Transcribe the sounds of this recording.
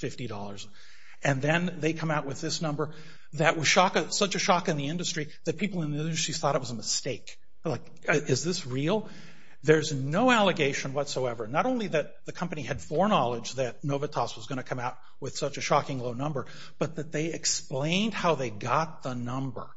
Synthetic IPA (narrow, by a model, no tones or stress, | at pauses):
fɪftiɾɔ̰lˠə˞z | ɨ̃nðɨ̃nðeɪkʰʌ̃maʊʔ̚wɨðɪsnʌ̃mbə˞ | ðɨʔ̚wʌz̥ʃɑkɨsʌt͡ʃɨʃɑkɨ̃nðiɪ̃ndɨstɹ̥iðɨt̚pʰipl̩ˠə̃nðiɪ̃ndɨstɹ̥iz̥θɔɾɨt̚wʌzəməsteɪk | laɪk | ʔɪzðɪsɹil̩ˠ | ðə˞znoʊælˠəɡeɪʃɨ̃nwʌtsoʊɛvə˞nəɾõʊ̃nliðɨt̪̚ðɨkʰʌ̃mpɨniɨd̥fɔɹnɑlˠəd͡ʒðɨt̚ⁿnoʊvɨtʰɑswʌzɡʌñɨkʰʌ̃maʊt̚ | wɨð̥sʌt͡ʃɨʃɑkɪ̃ŋloʊnʌ̃mbə˞ | b̥ʌt̪̚ðɨt̪̚ðeɪɨksplẽɪ̃nd̚haʊðeɪɡɑt̪̚ðənʌ̃mbə̰˞